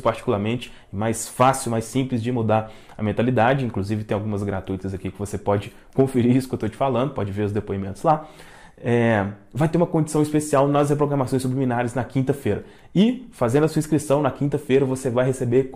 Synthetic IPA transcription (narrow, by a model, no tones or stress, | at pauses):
ʊpaɾt͡ʃi̥kulˠaɾmẽnt͡ʃɪ̥ | ɛmajsfasiwmajsːĩplɪzd͡ʒɪmud̪aɾ | ɐ̰mẽnt̪alid̪ad͡ʒɪĩŋkluzivɪt̪ẽj̃awɡũmɐzɡɾat̪ujt̪ɐzɐkikɪvosepɔd͡ʒɪ | kõfeɾiɾisʊ̥kewt̪ot͡ʃɪ̥falɐ̃nd̪ʊpɔd͡ʒɪveɾʊzd̪epoimẽnt̪ʊ̥zla | ɛvajt̪eɾũmɐkõd͡ʒisɐ̃w̃ispesiawnɐshepɾoɡɾɐmasõj̃sublimĩnaɾɪznɐkĩnt̪ɐfejɾɐ | ɪfazẽnd̪ɐsuɐĩskɾisɐ̃w̃nɐkĩnt̪ɐfejɾɐvosevajɦesebeɾ